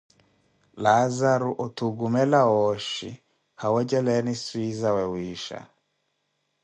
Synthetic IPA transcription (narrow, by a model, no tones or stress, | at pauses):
lazaɾuʔɔtuɡumɛlaɔʃḭ | hawɛd͡ʒɛlɛniswizawɛwiʃa̰